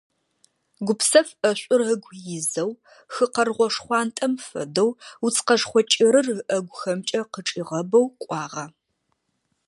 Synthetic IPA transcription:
ɡʷʊpsɐfɐɕʷʼʊrəɡʷjɪzɐw | xɨqɐrʁʷɔʂχʷɑːntʼɐmfɐ̰dɐwut͡sʰqɐʂχʷɔt͡ʃʼɪɾɨrɨʔɐɡʷʊxɐmt͡ʃʼɐqəʈ͡ʂʼiːʁɐbɐwqʷʼɑːʁɐ

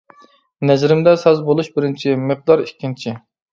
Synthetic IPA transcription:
nɛzɾɪmd̪ɛsɛzbolˠuʃbɪɾɪnt͡ʃʰiməq̚d̪ɑɾikʲːint͡ʃʰi

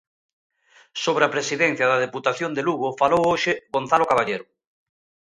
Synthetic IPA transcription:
soβɾeapɾesiðɛn̟θjɐðɐð̞eput̪aθjond̪eluɣʊfalowoʃɪɣon̟θalokaβaʎeɾʊ

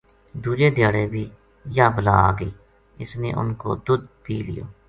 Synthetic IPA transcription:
d̪uːd͡ʒeːd̪ɪjaːɽeːbʱiː | jaːbəla̰ːa̰ːɡəiː | ɪsnḛːʔʊ̰nko̰ːd̪ʊd̪pʰiːlɪ̰jo̰ː

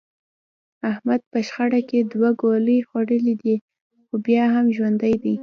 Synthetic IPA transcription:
ahmad̪̚pəʃxaɽaked̪waɡoləjxwaɽəlid̪i | xobjɑɦamʒwand̪ajd̪i

